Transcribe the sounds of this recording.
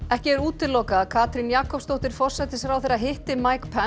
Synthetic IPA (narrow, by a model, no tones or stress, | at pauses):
ɛhcɪɛɾuːt̪ɪlːɔwkaːðkʰaːt̪ɾinjaːkɔpst̪owht̪ɪɾ̥fɔr̥sɛt̪ɪsfɾawθejɾaɦɪht̪ɪmajkpʰɛ